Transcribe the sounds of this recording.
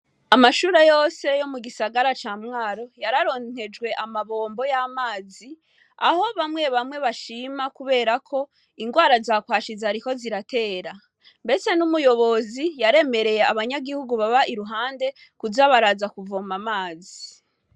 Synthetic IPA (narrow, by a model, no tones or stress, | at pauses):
amaʃuːɾejo̞ːse̞jo̞muɡisaɡaɾat͡ʃaːmŋaːɾo̞jaɾaɾo̞n̥he̞d͡ʒɡwe̞ʔamaβo̞ːmbo̞jamaːzi | aho̞βamŋe̞βamŋe̞βaʃimakuβe̞ːɾakʰo̞ | iŋɡwaːɾazakwaːʃizaɾiko̞ziɾate̞ːɾa | mbe̞se̞numujo̞βo̞zijaɾe̞me̞ɾe̞je̞aβaɲaɡihuɡuβaβaʔiɾuɦaːnde | kuzaβaɾazakuvomamaːzi